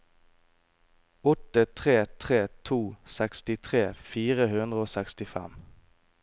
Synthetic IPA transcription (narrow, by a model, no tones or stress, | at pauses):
ɔt̪ət̪ʰʁeːt̪ʰʁeːt̪ʰuːsækst̪ɪt̪ʰʁeːfiːʁəhʉnd̪ʁəoːsɛkst̪ɪfɛ̰m